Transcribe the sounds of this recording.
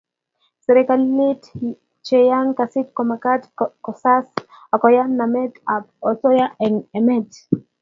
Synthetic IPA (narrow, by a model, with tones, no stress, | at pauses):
sɛɾɛkalːi˦t | t͡ʃeja˦ŋkasi˦t̚kɔmaka˦tkɔsas | ɔ˨kɔ˨ja˦nnamɛ˦tap̚ɔ˨so˦ja˦ʔɛ˨ŋɛ˨mɛ˦t